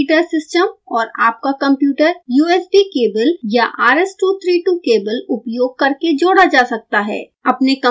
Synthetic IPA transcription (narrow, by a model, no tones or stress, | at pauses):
ʈəɾsɪsʈəmɔːɾaːp̚kakɐ̃mpjuːʈəɾjuːɛːsbikeːbəljaʔaːɾɛːsʈuːt̪ʰɾiːʈukeːbəlʊpjoːɡ̚kɐɾked͡ʒoːɽad͡ʒaːsɐk̚t̪aɦɛ̰ː | ɐpnekɐ̃